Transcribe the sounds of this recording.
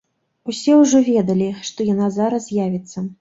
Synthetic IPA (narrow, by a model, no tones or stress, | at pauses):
usʲɛwʐɔvʲɛd̪ɐlʲiʂt̪ɔjanazaɾɐsjavʲit̪sːɐ